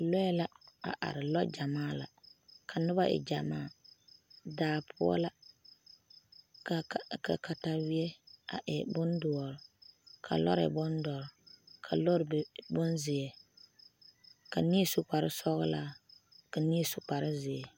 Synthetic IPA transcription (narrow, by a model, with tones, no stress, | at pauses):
lɔ˦ɛ˦la˦a̰˨ʔa̰˨ɾɪ˨lɔ˦d͡ʒa˨maː˦la̰˨kʰa˨nʊ˦ba˦ʔɪ̰˨d͡ʒa˨maː˦˨ | daː˨pʰʊ˦ɔ̰˦la˦ | ka˨ka̰˨ka˨ta˨wɪ˦e˦a̰˨ʔɛ˨bʊ˦ndʊ˨ɔ˨ɾkʰa̰˨lɔ̰˦ɾɛ̰˨bʊ˦ndɔ˨ɾkʰa˨lɔ˦ɾbbʊ˦nzɪ˨e˨ | ka˨ni˦sʊ˨k͡pa˨ɾɪ˦sɔ˦ɣʊ˦la˦ka˨ni˦sʊ˨k͡pa˨ɾɪ˦zɪ˨e˨